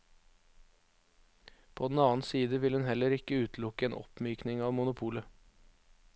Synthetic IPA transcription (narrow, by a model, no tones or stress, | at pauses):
pʰoːd̪n̩ɑːn̩siːd̪əʋɪlhʉnhɛləɾɪkəʉːt̪ʰlʊkəeːnʔɔ̰pmyːknɪŋɑːʋmʊnʊpʰuːlə